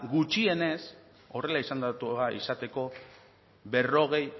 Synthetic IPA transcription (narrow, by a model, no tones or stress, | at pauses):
ɣut͡ʃie̞ne̞s | o̞re̞laisand̪at̪uaḭsat̪e̞ko̞ | βe̞ro̞ɣ̞e̞j